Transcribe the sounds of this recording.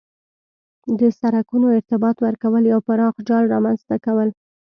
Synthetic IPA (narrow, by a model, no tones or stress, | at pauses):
d̪əsaɾakunoɪɾt̪ɪbɑt̪wəɾkawəljawpaɾɑxd͡ʒɑlɾɑmanzt̪akawəl